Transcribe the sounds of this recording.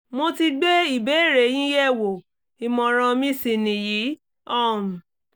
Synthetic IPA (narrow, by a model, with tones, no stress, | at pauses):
mo˧ti˧ɡ͡be˦i˦˨be˨˦˨ɾe˨˦j̃ĩ˦jɛ˦˨wo˨ | i˨mɔ̃˨ɾ̃ɔ̃˧mĩ˦˧si˨nĩ˨ji˨˦ | ɔ̃˦˨